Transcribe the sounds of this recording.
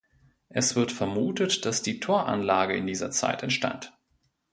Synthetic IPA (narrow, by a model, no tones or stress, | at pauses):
ʔɛsv̥ɪɐtfɛɐmuːtətd̥asd̥iːtʰoːɐʔa̰nlaːɡəɪ̰ndiːzɐt͡sa̰ɪtɛntʃta̰nt